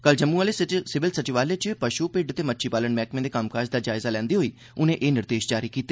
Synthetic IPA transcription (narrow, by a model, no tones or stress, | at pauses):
kəld͡ʒəmːuːaːleːsɪʋɪlsət͡ʃɪʋaːleːt͡ʃpəʃuːpɪɖt̪eːmətːʃʰiːpaːləɳmɛːkmẽːd̪eːkəmkaːd͡ʒd̪aːd͡ʒaːɪzaːlɛ̃ːnd̪iːɦoːiː | ʊnẽːʔeːnɪɾd̪eːʃd͡ʒaːɾiːkiːt̪eː